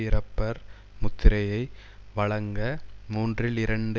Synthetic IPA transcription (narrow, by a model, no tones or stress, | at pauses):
ɪɾɐpːɐɾ | mʊt̪ːɪɾɐjɐɪ | ʋɐɭɐŋɡɐmuːndrɪlɪɾɐɳɖɯ